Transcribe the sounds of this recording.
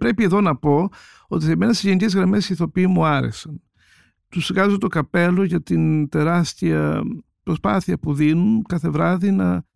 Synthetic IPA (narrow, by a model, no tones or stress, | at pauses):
pɾe̞pie̞ðo̞nɐpo̞ | o̞t̪isemenɐsizʝenice̞zɣɾɐme̞siθo̞piimuɐɾe̞̰sɐn | t̪usiɣɐzot̪o̞kɐpe̞lo̞ʝɐt̪int̪e̞ɾɐst̪iɐ̰ | pɾo̞spɐθiɐpuðinunkɐθe̞vɾɐðinɐ